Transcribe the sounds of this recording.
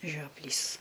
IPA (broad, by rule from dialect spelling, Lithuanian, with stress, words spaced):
ʒʲoːˈpʲlʲiːs